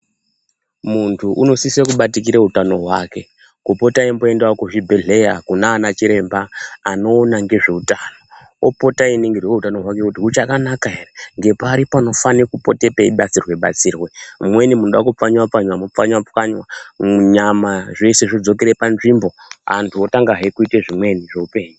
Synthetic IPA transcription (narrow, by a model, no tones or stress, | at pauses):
muntʰuʔuno̞sisekuɓatik̬iɾeɦutano̞ɦwaːke̞ | kupo̞taimboendaokuʐibʱe̞ɮe̞jakunaːnat͡ʃiɾe̞mbaːno̞ːnaŋɡe̞ʐe̞utano | opo̞tainiŋɡirwe̞ɦutano̞ɦwake̞kutiɦut͡ʃakanakaɦe̞reŋɡe̞paɾipano̞fanekupo̞te̞peiɓat͡sirweɓa̰t͡siːrwemmwe̞nimunoɗakup͡faɲwap͡faɲwamup͡faɲwap͡faɲwauɲamaʐe̞se̞ʐid͡zo̞keɾepanʐimbo̞a̰ntʰuotaŋɡaɦekuiteʐimwe̞niʐeupe̞ːɲu